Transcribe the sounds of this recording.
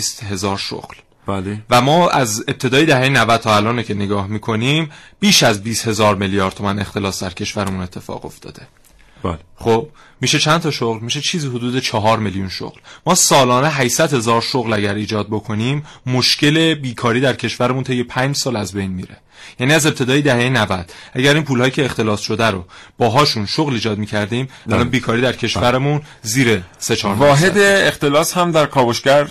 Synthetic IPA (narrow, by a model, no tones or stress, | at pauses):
st̪he̞zɒːɾʃo̰ɣl | b̥ælvæmɒːʔæze̞p̚t̪ʰe̞d̪ɒːjed̪æhejenævæd̪̥̚t̪ʰɒːælɒːnecʰe̞neɡɒːhmiːkʰo̞niːmb̥iːʃæzbiːst̪he̞zɒːɾmeljɒːɾd̪ʰo̞mæne̞xt̪e̞lɒːsd̪æɾcʰe̞ʃvæɾemune̞t̪ʰːe̞fɒ̰ːɣo̞̰ft̪ʰɒ̰ːd̪̥e̞ | bχob̥̚ | miːʃe̞t͡ʃʰænt̪ʰɒːʃoɣlmiːʃe̞t͡ʃʰiːziːhɦod̪uːd̪e̞t͡ʃʰɒɦɒːɾmeljunʃo̰ɣlmɒːsɒːlɒːneɦæʃsæd̪he̞zɒːɾʃoɣlæɟæɾiːd͡ʒɒːd̪̚bo̞kʰo̞niːmːoʃce̞le̞biːkʰɒːɾiːd̪æɾcʰe̞ʃvæɾemunt̪ʰe̞jːepʰæɲd͡ʒsɒːlæzbe̞jnmḭːɾe̞̰ | jæniːæze̞p̚t̪ʰe̞d̪ɒːjed̪æhejenævæd̪̥ʔæɟæɾiːnpʰuːlhɒːjiːcʰeext̪e̞lɒːsʃo̞d̪æɾob̥ɒːɦɒːʃunʃoɣliːd͡ʒɒːd̪̚miːcʰæɾd̪iːmælɒnbiːkʰɒːɾiːd̪æɾcʰe̞ʃvæɾemun | ziːɾese̞t͡ʃʰɒːɾɒːɦed̪eːxt̪elɒːshæmd̪æɾkʰɒːboʃcæɾ